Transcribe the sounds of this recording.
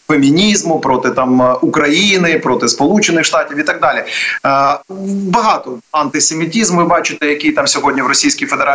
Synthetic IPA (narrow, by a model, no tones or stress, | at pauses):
emʲinʲizmʊpɾɔt̪ɪt̪ɑmukɾɐjinɪpɾot̪ɪspɔlˠut͡ʃɪnɪxʃt̪ɑtʲiwit̪ɐɡ̚d̪ɑlʲɪ | bɐɦɑt̪ɔɐnt̪ɪsemʲitʲizmʋɪbɑt͡ʃɪt̪ɛjɐkʲijt̪ɑmsʲɔɦodʲnʲiʋɾɔsʲijsʲkʲijfed̪eɾɑ